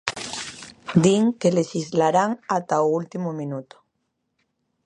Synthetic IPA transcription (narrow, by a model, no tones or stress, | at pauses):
d̪iŋkeleʃizlaɾaŋat̪aoult̪imomĩnut̪o̥